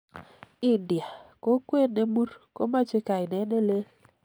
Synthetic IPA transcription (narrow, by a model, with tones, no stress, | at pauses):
ɪ˨ndja˨ko˦kwe˦ne˦mu˦ɾko˦ma˦t͡ʃe˦ka˨ɪ˨nɛ˦ne˦le˦